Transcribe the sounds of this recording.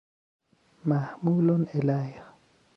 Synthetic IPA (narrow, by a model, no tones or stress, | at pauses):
mahmulɔnɛlaja